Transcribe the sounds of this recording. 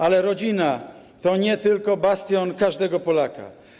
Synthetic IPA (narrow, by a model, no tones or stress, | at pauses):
alɛɾɔd͡ʑina | t̪ɔɲɛt̪ɘlkɔbast̪ʲjɔnkaʐd̪ɛɡɔpɔlaka̰